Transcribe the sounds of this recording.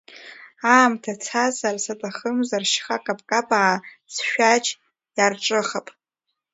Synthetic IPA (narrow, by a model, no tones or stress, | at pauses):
aːmtʰat͡sʰazarsatʼaχəmzarʃχakʼapʼkʼapʼaː | sʃᶣat͡ʃʰʼ | jarʈ͡ʂʼɨχapʼ